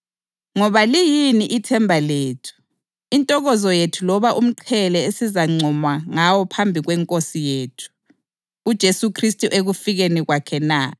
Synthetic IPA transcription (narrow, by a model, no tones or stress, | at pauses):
ŋɔβalijiniʔitʰɛmbʱaleːtʰu̥ | intʼɔɣɔzɔjetʰulɔβaʔum̩ǃʰɛlɛesizaŋ͡ǀʱɔmwaŋawɔpʰambʱiɣwɛŋkʼosijeːtʰu̥ː | d̥ʒ̥ʱesukʰristʼuʔeɣufiɣeniɣwakʰɛna